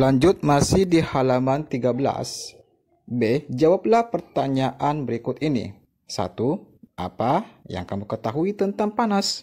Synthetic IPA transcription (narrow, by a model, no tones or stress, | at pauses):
laɲd͡ʒʊt̪̚masɪhdihalamant̪iɡabəla̰s | bed͡ʒawap̚lahpərt̪aɲaʔanbəɾikʊt̪inḭ | sa̰t̪uʔa̰paja̰ŋkamukət̪aɦuit̪ənt̪aŋpanas